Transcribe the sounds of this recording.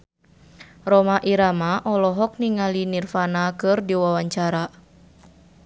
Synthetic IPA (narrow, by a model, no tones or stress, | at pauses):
rɔmaʔiɾamaʔɔlɔɦɔk̚niŋalinirfanakɨrdiwawaɲt͡ʃaɾa